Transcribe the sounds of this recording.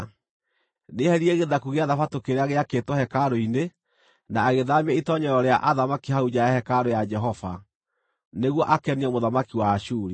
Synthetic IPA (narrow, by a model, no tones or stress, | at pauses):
nehɛɾiɛɣeðakuɣeaðafatokeɾeaɣeaketwɔhɛkaɾoine | naːɣeðamiɛitɔɲɛɾɔɾea̰ʔaðamakihaud͡ʒajahɛkaɾojad͡ʒɛɦɔfa | neɣwɔʔakɛniɛmoðamakiwaːʃuɾi